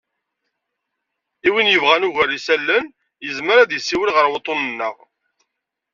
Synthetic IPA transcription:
iwinjəvʁænuʝærːisælːən | jəzməɾæðjəsːiwəlʁəɾwət̪ˤːonənːəʁ

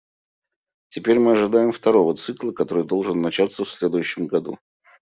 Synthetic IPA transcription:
tʲɪpʲeɾʲmɨɐʐɨd̪ajɪmft̪ɐɾo̞vət̪sɨklˠəkɐt̪o̞ɾɨjd̪o̞lˠʐɨnːɐt͡ɕat̪səfsʲlʲe̞d̪ʊjʉɕːɪmɡɐd̪ṵ

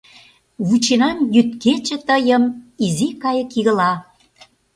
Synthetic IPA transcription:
βut͡ɕenɑmjyt̪̚ket͡ɕĕt̪əjə̆mizikɑjə̆kiɣə̆lɑ

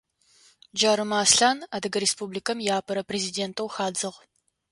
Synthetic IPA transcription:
d͡ʒaːɾɨmaːsɬaːnadɨɡɐɾespublikʰɐmjaːpʰɐɾɐpʰrezideːntʰʼɐwxaːd͡zɨʁ

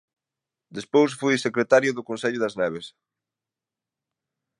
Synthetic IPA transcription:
d̪espojs̬fujsekɾet̪aɾjʊðʊkonsɛʎʊðɐznɛβ̞es

